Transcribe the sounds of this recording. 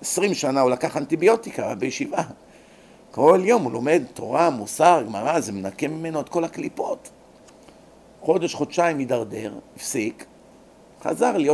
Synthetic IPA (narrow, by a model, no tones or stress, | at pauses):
esʁimʃanaulakaχant̪ibjo̞t̪ikabejeʃiva | ko̞ljo̞mhulo̞me̞d̪t̪o̞̰ʁamusaʁɡmaʁazemenakemime̞noed̥̪̚ko̞laklipo̞t | χo̞d̪e̞ʃχo̞dʃaimjid̪aʁd̪e̞ʁifsik | χa̰zaʁlijo